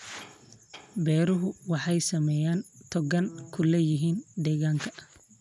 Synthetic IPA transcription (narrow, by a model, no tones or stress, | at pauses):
bɛːɾʊɦʊwɑħɑjsɐmɛjaːnt̪ʰɔɡɐnkʰʊlɛjɪɦiːnd̪ɛːɣaːŋkʰɐ